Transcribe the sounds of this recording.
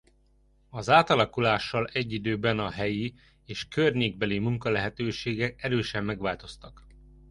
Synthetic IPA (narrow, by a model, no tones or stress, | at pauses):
ɒzaːt̪ɒlɒkulaːʃːɒlɛɟːid̪øːbɛnɒɦɛji | eːʃkørɲeːɡ̚bɛlimuŋkɒlɛɦɛt̪øːʃeːɡɛkɛɾøːʃɛmːɛɡʋaːlt̪o̞st̪ɒk